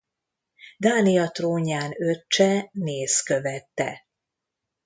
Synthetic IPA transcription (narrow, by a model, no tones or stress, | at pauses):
d̪aːnijɒt̪roːɲaːnøt͡ʃːɛneːskøvɛt̪ːɛ̰